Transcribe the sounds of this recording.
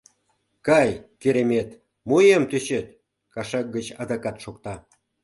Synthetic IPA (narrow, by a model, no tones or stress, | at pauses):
kɑjkeɾemʲet̪ | mojemt̪øɕet̪ | kɑʃɑk̚ɡət͡ɕɑd̪ɑkɑt̪ʃok̚t̪ɑ